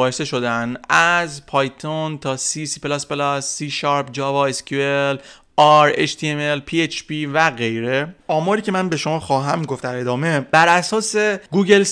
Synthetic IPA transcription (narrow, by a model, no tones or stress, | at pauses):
ɒːjese̞ʃo̞d̪ænæzpʰɒːjt̪ʰont̪ʰɒːsisiplɒspelɒsːiʃɒɾpd͡ʒɒːvɒescʰuel | ɒɾeʃt̪ʰiemelpʰiet͡ʃʰpivæɣejɾeɒːmɒːɾiːcʰe̞mænbe̞ʃomɒːxɒːɦæmɡoft̪d̪æɾe̞d̪ɒːme̞b̥æɾæsɒːse̞ɡuːɟe̞ls